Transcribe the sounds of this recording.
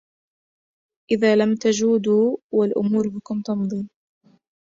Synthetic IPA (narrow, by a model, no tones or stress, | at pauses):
ʔɪðaːlamt̪ad͡ʒuːd̪uːwalʔʊ̰muːɾhkʊnt̪ɑmðˤiːn